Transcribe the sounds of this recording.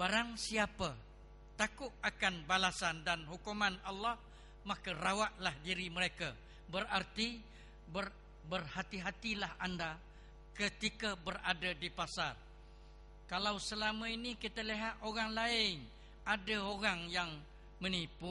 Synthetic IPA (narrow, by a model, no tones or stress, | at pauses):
baɾaŋsiapə | t̪akʊʔ̚akanbalasandanɦukumanalːɔh | makərawaʔlahdiɾiməɾeka | bərart̪i | bər | bərhat̪iɦat̪ilahanda | kət̪ikəbəradədipasar | kalawsəlaməinikit̪əliɦat̪ʔoɾaŋlaɪn | adəoɾaŋjaŋ | mənipu